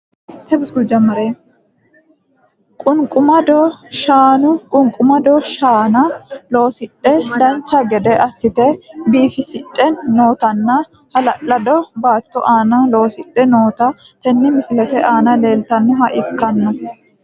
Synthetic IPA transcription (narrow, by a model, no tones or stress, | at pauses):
t̪ɛbɪsɡʊd͡ʒɐmɐɾeː | kʼʊŋkʼʊmɐd̪ɔʃaːnʊkʼʊŋkʼːʊmɐd̪ɔʃaːnɐlo̞ːsɪᶑːɛd̪ɐnt͡ʃːɐɡɛd̪ɛʔɐsːɪt̪ɛbiːfɪsɪtʼːɛnːo̞ːt̪ɐnːɐ | hɐlɐʔːɐd̪ɔbaːt̪ːɔʔaːnɐlo̞ːsɪᶑːɛnoːt̪ɐ | t̪ɛnːɪmɪsɪlɛt̪ɛʔaːnɐle̞ːlt̪ɐnːɔɦɐʔɪkːɐnːɔ